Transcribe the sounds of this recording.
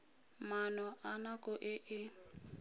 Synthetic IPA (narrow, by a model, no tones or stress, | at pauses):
manɔʔanakʼɔʔɪʔɪ